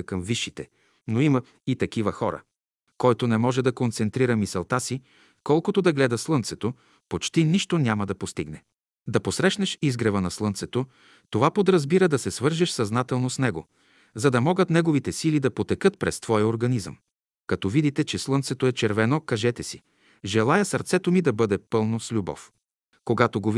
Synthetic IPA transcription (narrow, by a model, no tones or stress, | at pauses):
kɐmviʃːit̪ɛ | noimɐ | it̪ɐk̟ivɐxɔɾə̰ | kɔjt̪onɛmɔʒɛd̪ɐkont̪sɛnt̪ɾiɾəmisɛlˠt̪asi | kɔlˠkot̪od̪ɐɡlɛd̪əslˠɤnt̪sɛt̪o | pot͡ʃt̪iniʃt̪onʲaməd̪ɐpost̪ḭɡnɛ | d̪ɐposɾɛʃnɛʃizɡɾɛvənɐslˠɤnt̪sɛt̪o | t̪ovapod̪ɾɐzbiɾəd̪ɐsɛsvɤɾʒɛʃsɐznat̪ɛlˠnosnɛɡo̰ | zɐd̪ɐmɔɡət̪nɛɡovit̪ɛsilid̪ɐpot̪ɛkɤt̪̚pɾɛ̰st̪vɔjəoɾɡɐnizə̰m | kɐt̪ɔvid̪it̪ɛt͡ʃɛslˠɤnt̪sɛt̪oɛt͡ʃɛɾvɛnokɐʒɛt̪ɛsi | ʒɛlˠajəsɐɾt̪sɛt̪omid̪ɐbɤd̪ɛpɤlˠnoslʲubɔ̰f | koɡat̪oɡov